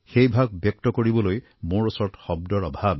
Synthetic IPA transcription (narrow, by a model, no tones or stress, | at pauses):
xejbʱaɡ̚bjɔk̚tɔkoɹibɔloj | muɹɔsɔɹtxɔb̚dɔɹɔbʱab